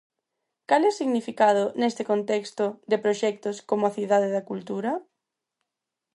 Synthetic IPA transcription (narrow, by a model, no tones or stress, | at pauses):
kalɛsiɣnifikað̞ʊnɛst̪ɪkont̪ɛkst̪ʊd̪epɾoʃɛk̚t̪ʊskomoaθiðað̞ɪðakult̪uɾɐ